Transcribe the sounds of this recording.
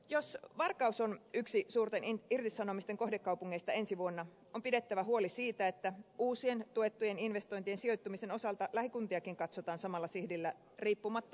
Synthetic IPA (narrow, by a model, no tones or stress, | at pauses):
jo̞sʋɑrkɑuso̞nyksisuːrt̪enirt̪isɑnomist̪e̞ŋko̞hdekːɑwpuŋːeist̪ɑensiʋuonːɑ | ompide̞t̪ːæʋæɦuo̞lisiːt̪æet̪ːæuːsient̪ue̞t̪ːujeninʋe̞st̪o̞jnt̪ie̞nsio̞jt̪ːumise̞no̞sɑlt̪ɑlæhikunt̪iɑkiŋkɑt̪sot̪ɑːnsɑmɑlːɑsihdilːæ | riːpːumɑt̪ːɑ̥